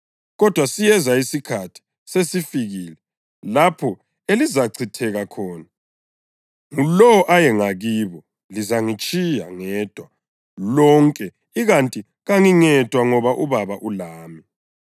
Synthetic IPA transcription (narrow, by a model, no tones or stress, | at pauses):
ɣɔd̥ʱwasijɛzaisikʰatʰi̥ | sesifiɣilɛ | lapʰɔ | elizaǀʰitʰɛɣakʰɔːna | ŋulɔɔʔajɛŋaɣiːβɔ | lizaŋit͡ʃʼija̰ŋɛːd̥ʱwa | lɔŋkʼɛ | iɣantʼi | ɣaŋiŋɛd̥ʱwaŋɔβaʔuβaβaʔulaːmi